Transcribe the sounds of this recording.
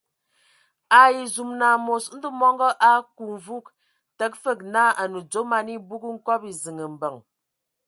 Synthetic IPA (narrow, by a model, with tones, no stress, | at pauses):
a˨i˨zu˨mna˨mo˨sn̩˦də˦mɔ˦ŋɡɔ˦ʔa˦ku˨ɱ˨vu˦k̚ | tə˦k̚fə˦˨k̚na˦a˨nu˨d͡zo˨˦ma˨ni˦bu˦kŋ̩˦kɔ˦pi˨zi˨ŋə˨m̩˨bə˨ŋ